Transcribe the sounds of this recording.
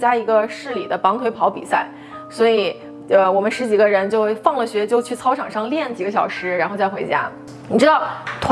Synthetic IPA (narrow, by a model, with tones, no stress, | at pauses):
t͡ɕja˥i˧˥ɡə˧ʂɻ̩˥˩li˨˩d̪ə˦pɑ˧˥ŋt̪ʰwe˧˥ɪpʰɑ˧˥ʊpḭ˨˩sa˥˩ɪ | swɔ˧˥i˨˩ | ə˧wɔ˨˩mə˦nʂɻ̩˧˥t͡ɕi˨˩ɡə˦ɻə˧˥nt͡ɕjo˥˧ʊfɑ˥˩ŋlə˩ɕɥɛ˧˥t͡ɕjo˥˧ʊt͡ɕʰy˥˩t͡sʰɑ˥ʊʈ͡ʂʰɑ˨˩ŋʂɑ˥˧ŋljɛ˥˩nt͡ɕi˨˩ɡə˦ɕjɑ˨˩ʊʂɻ̩˧˥ɻa˧˥nxo˧ʊt͡sa˥˩ɪxwe˧˥ɪt͡ɕja̰˥ | ni˨˩ʈ͡ʂɻ̩˥t̪ɑ˥˩ʊt̪ʰ